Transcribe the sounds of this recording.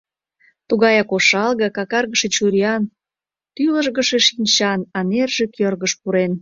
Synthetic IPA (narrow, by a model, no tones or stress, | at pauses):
t̪uɣɑjɑkoʃɑlˠɣekɑkɑrɣəʃet͡ɕuɾiɑn | t̪yləʒɣəʃeʃinʲt͡ɕɑnɑnerʒĕkʰørɣəʃpuɾen